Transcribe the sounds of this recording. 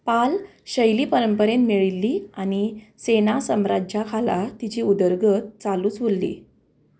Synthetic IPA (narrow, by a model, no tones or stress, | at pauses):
pal | ɕəjliːpəɾəmpəɾẽnt̪miɭilːiːañisenasəmɾad͡ʑakʰala̰t̪it͡ɕiːud̪əɾɡət̪̚t͡saluːt͡sʋolːḭː